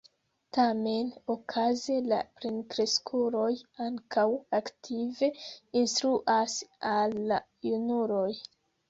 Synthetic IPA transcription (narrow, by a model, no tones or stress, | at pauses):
tame̞nokʰazela̰pɾinkɾe̞skʰuɾo̞jaŋkʰawaktʰive̞instɾuʔasalːa | junuɾo̞j